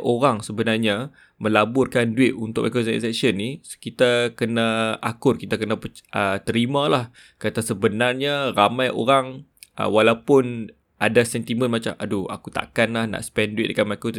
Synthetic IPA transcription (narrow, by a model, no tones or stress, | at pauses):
ʔoɾaŋsəbənarɲa | mə̃labʊrkanduɪt̪̚unt̪ʊk̚makɾosaḭsɛksənːiskit̪akənaakʊrkit̪akənapəʔət̪əɾimãlah | kat̪asəbənarɲaramãjʔo̰ɾaŋʔə̰walawpʊn | adasɛnt̪imə̃nmat͡ʃa̰mʔadua̰kut̪a̰kanlahna̰ʔsə̥pɛnduɪʔ̪̚dəkanmakot̪i